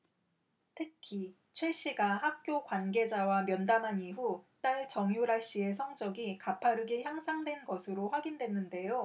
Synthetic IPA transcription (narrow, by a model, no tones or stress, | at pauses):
tʰɯkʰi | t͡ɕʰweɕ͈iɡahak̚k͈jokwanɡe̞d͡ʑawamjʌndamɦaniɦut͈aɭt͡ɕʌŋjuɾaɭɕ͈ie̞s̬ʰʌŋd͡ʑʌɡikapʰaɾɯɡeçjaŋsʰaŋdwe̞nɡʌsʰɯɾoɸwaɡindwe̞nːɯnde̞jo